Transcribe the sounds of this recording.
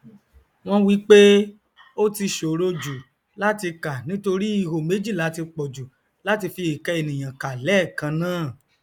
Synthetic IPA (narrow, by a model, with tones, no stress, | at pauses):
w̃ɔ̃˦wi˦k͡pe˦ | o˦ti˧ʃo˨ɾo˧d͡ʒu˨ | la˦ti˧ka˨nĩ˦to˧ɾi˦i˦˨ho˨me˨˦d͡ʒi˦˨la˨˦ti˧k͡pɔ˨d͡ʒu˨ | la˨˦ti˧fi˧i˨kɛ˧e˧˨nĩ˨j̃ã˨ka˨lɛ˨˦˨kã˧nãː˦˨